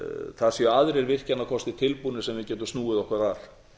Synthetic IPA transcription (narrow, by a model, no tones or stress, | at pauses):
θasjɛaðɾɛɾvɪr̥canːaðkʰɔst̪ɪt̪ʰɪlpunɪsɛmvɪðcɛːt̪̬ʏmst̪nuːɪðɔhkvaɾaɾ̥